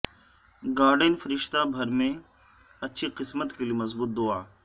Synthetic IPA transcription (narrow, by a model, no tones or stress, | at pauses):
ɡaːɾɖənfɐɾɪʃt̪abʱɐɾmẽ | ɐtːʃʰiqɪsmət̪keliemɐzbuːt̪̚d̪oːaː